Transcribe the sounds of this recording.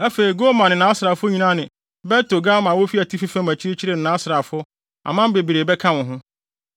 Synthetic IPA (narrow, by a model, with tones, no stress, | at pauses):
æ˦fe˨i˨ɡo˦mã˨nɪ̃˨nãː˨˦a˦sɾa˨fʊ˦ɲĩ˦nã˦nɪ̃˨ | bɛ˦to˨ɡa˦mã˨wo˦fi˦æ˨tʰi˦fi˦fã˦mæ˨t͡ɕʰi˦ɾe˦t͡ɕʰi˦ɾe˨n̩˨nãː˨˦sɾa˨fʊ˦ | a̰˨mã˦m˦be˨bi˨ɾe˨bɛ˦kʰã˦wʊ̃˨ɦʊ̃˦